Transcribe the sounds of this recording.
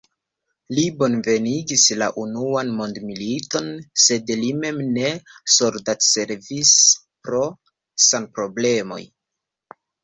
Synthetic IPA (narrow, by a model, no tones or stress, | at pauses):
libo̞nve̞niɡisla̰ʔunuanmo̞ndmilito̞nse̞dlime̞mne̞soɾdatse̞ɾvispɾo | sanpɾo̞ble̞mo̞̰j